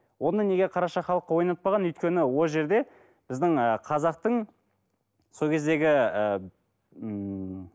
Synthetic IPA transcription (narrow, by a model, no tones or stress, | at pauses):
wo̞nəne̞ɡʲe̞qʰɑɾɑʃɑχɑlˠəqːɑwo̞jnɑt̪̚pɑʁɑnʏjt̪kʲe̞nɪwo̞lˠʒe̞ɾd̪e̞ | b̥ɪzd̪ɪŋəqʰɑzɑq̚t̪əɴ | so̞lˠkʲʰe̞zd̪e̞ɡʲɪə